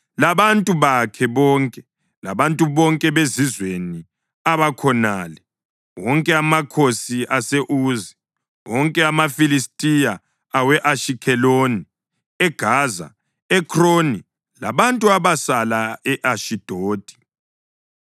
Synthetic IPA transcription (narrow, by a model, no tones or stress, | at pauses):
laβantʼuβakʰɛβɔːŋkʼɛ | la̰βantʼuβɔŋkʼɛβezizweni | aβakʰɔnaːlɛ | wɔŋkʼɛamakʰosiʔaseʔuːzi | wɔŋkʼɛamafilistʼijaː | wɛʔaʃikʰɛloːni | ɛɡ̥ʱaːza̰ | ɛkʰroni | la̰βantʼuaβasalaɛʔaʃid̥ʱoːd̥ʱʼi̥